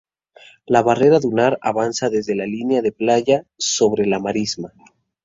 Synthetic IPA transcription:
laβare̞ɾaðunaɾa̰βansaðe̞zðe̞lalineaðe̞plaʝaso̞βɾelamaɾizma

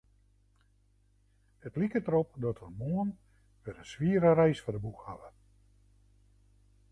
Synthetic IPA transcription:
ətlikətəɾopdɔtərmoən | ʋəɾənsʋiəɾəɾɛjsfadəbukhaʋə

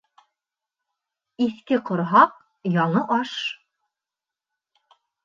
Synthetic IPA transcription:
iθkɘqŏɾɦɑq̚ | jɑɴɤʔɑʃ

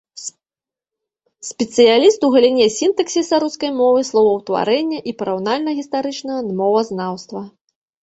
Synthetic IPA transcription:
sʲpʲɛt̪sɨjalʲist̪uɣɐlʲinʲɛsʲint̪ɐksʲisaɾuskɐjmɔvɨslˠɔvɐwt̪va̰ɾɛnʲːɐʔipɐɾawnalʲnɐɣʲist̪aɾɨt͡ʂnɐɐmɔvɐznawst̪vɐ

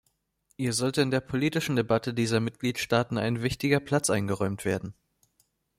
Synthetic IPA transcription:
hiːɐzɔltəɪndeːɐpʰoliːtɪʃn̩debatədiːzɐmɪt̚ɡ̥liːtʃtaːtn̩a̰ɪnvɪçtɪɡɐpʰl̥at͡sʔaɪnɡəʁɔʏmtv̥eːɐdn̩

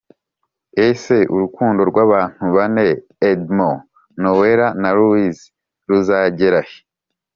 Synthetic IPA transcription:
ese̞ṵɾukuːndo̞ɾɡwaːβaːn̥huβane̞ː | dmo | noweɾanaɾuwiz | ɾuzaːɟeɾahe̥

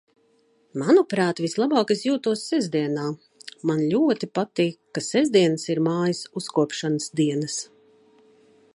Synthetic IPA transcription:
manupɾaːt̪vislˠabɑːkisjuːt̪uɔsːɛzd̪iɛnaː | manlʲuɔt̪ipat̪iːkːasɛzd̪iɛnəsiɾmaːjisuskuɔpʃanəsd̪iɛnɐs

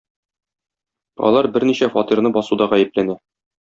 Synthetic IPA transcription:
ɒ̰lˠɑɾbɘɾniɕæfɒt̪iɾnɤbɒsud̪ɒʁæjɘ̆p̚lænæ

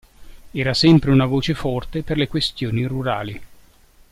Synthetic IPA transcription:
ɛːɾasɛmpɾeunavoːt͡ʃefɔrt̪eperlekwest̪joːniruɾa̰ːli

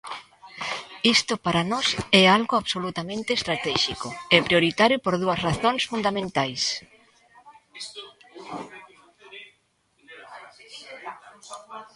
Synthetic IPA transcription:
ist̪ʊpaɾanɔsɛalɣʊaβsolut̪amẽnt̪eːst̪ɾat̪ɛʃikʊɛpɾjoɾit̪aɾjopoɾðuɐsraθoŋsfund̪amẽnt̪ajs

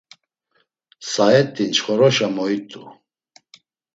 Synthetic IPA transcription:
saɛt̪ʼːint͡ʃχɔɾɔʃamɔit̪ʼu

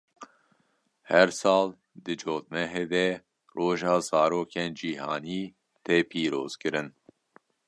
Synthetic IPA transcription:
hɛɾsɑːl | d̪ɨd͡ʒoːt̪̚mɛɦeːd̪ɛ | roːʒɑːzɑːɾoːkʰeːnd͡ʒiːɦɑ̰ːniː | t̪eːpʰiːɾoːz̥kɨɾɨn

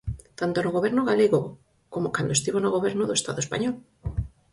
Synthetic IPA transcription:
t̪ant̪onoɣoβ̞eɾnoɣaleɣo | komokand̪oest̪iβonoɣ̞oβ̞eɾnoðoest̪a̰ðoespa̰ɲɔl

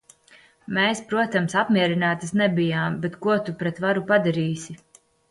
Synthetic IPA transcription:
meːspɾuɔt̪amsapmiɛɾinaːt̪asnɛbijaːmbɛt̪kuɔt̪upɾɛt̪vaɾupad̪aɾiːsʲi

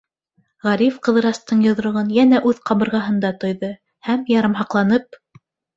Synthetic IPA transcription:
ʁɑɾifqɤ̆ðɤ̆ɾɑst̪ɤɴjŏð̆ɾŏʁɤnjænæʔʉðqɑβɤ̆ɾʁɑɦɤ̆nd̪ɑt̪ŏjðɤ | hæmjɑɾɤ̆mɦɑqlˠɑnɤp̚

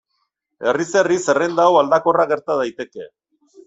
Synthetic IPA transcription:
e̞riserise̞rend̪awald̪ako̞raɣe̞ɾt̪að̞ajt̪e̞ke̞̰

